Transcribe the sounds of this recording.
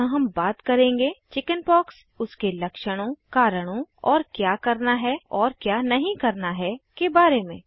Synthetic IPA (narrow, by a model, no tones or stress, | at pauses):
ãɦɐmbaːt̪kɐɾẽːŋɡeːt͡ʃɪkənpɔːks | ʊskelɐkʃəɽ̃õkaːɾəɽ̃õɔːɾkjaːkɐɾnaɦɛɔːɾkjaːnɐɦĩkɐɾnaɦɛkebaːɾemẽː